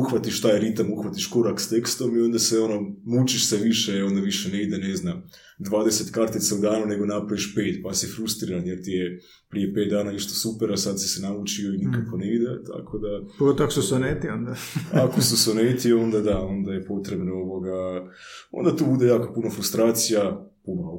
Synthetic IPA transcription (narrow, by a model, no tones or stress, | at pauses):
uxʋat̪iʃt̪aːjɾit̪amuxʋat̪iʃko̞ɾakst̪e̞kst̪o̞mio̞nd̪aseo̞no̞mut͡ʃiʃseʋiʃeo̞nd̪aʋiʃene̞id̪ene̞znam | d̪ʋaːd̪e̞set̪kaɾt̪it̪saud̪aːnune̞ɡo̞napɾaʋiʃpe̞ːt̪pasiefɾust̪ɾiɾanjeɾt̪ije | pɾije̞pe̞ːt̪̚d̪aːnaiʃt̪o̥supeɾasad̪si̥senaut͡ʃio̞inikako̞neid̪et̪a̰kʰo̞d̪apoɡot̪ooakosusonet̪iond̪aakosusonet̪io̞nd̪ad̪ao̞nd̪ajepo̞t̪ɾe̞bnooʋo̞ɡa | o̰nd̪at̪uːbud̪e̞jaːkopunofɾust̪ɾaːt̪sijapomalo